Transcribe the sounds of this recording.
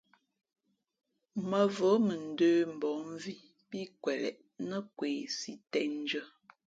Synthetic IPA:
mə˨və˨˦mə˨n̩˨døː˦m̩˨bɔ˨˦m˦vi˦ | pi˦kwɛ˨lɛ̰˨ʔ | nə˦kweː˨si˦tɛ˦n˦d͡ʒə˦

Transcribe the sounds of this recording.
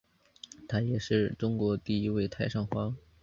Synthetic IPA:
t̪ʰa˥jɛ˨˩ʂɻ̩˥˩ʈ͡ʂʊ˥ŋkwɔ˧˥t̪i˥˩i˧˥we˥˩ɪt̪ʰa˥ɪʂɑ˥˩ŋxwɑ˥

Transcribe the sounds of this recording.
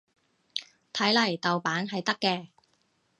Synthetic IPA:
t̪ʰɐ˨˥jlɐ˨˩jt̪ɐ˨wpaː˨˥nɦɐ˨jt̪ɐ˥kːɛː˧

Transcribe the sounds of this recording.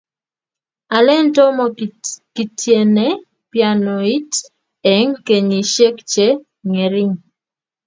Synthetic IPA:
a˨lɛ˦n˦tɔ˦mɔ˨ki˨tʰje˨nɛ˦ | pja˨nɔ˨i˦t | ɛ˨˦ŋke˨ɲi˨ʃe˦kt͡ʃe˦ | ŋɛ˨ɾi˦ŋ

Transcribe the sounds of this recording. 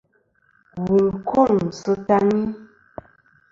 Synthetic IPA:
wu˨kʰo˦˨ŋ˨sə˦ta˦ŋi˦

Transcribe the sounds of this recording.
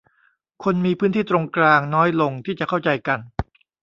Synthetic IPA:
kʰo˧nmiː˧pʰɯː˦˥nt̪ʰiː˥˩t̪ɾo˧ŋklaː˧ŋnɔː˦˥jlo˧ŋt̪ʰiː˥˩t͡ɕa˨˩kʰa˥˩wt͡ɕa˧jka˧n

